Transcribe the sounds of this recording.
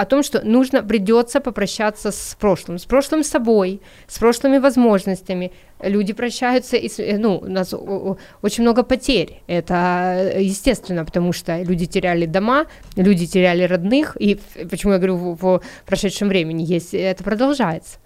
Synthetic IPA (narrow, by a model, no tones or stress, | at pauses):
ɐt̪o̞mʂt̪o̞nuʐnəpɾʲɪdʲo̞t̪sːəpəpɾɐɕːat̪sːəspɾo̞ʂlˠɨmspɾo̞ʂlˠɨmsɐbo̞j | spɾo̞ʂlˠɨmʲɪvɐzmo̞ʐnəsʲtʲɪmʲɪ | lʲudʲɪpɾɐɕːæjʊt̪səʔisnuʊ̰nas | ot͡ɕɪnʲmno̞ɡəpɐtʲeɾʲɛt̪əjɪsʲtʲe̞st̪vʲɪnːəpə̥t̪ɐmuʂt̪olʲudʲɪtʲɪɾʲælʲɪd̪ɐma | lʲudʲɪtʲɪɾʲælʲɪrɐd̪nɨxipət͡ɕɪmujaɡɐvɐɾʲuvəpɾɐʂɛt̪ʂɨmvɾʲemʲɪnʲɪjesʲtʲɛt̪əpɾəd̪ɐlˠʐajɪt̪sə̥